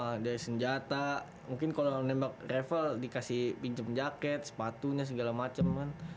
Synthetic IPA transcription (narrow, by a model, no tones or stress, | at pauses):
adaɾisəɲd͡ʒat̪a | muŋkɪnkalonɛmbak̚refəldikasihpiɲt͡ʃəmd͡ʒakɛt̪̚sə̥pat̪uɲas̬əɡalamat͡ʃəmkan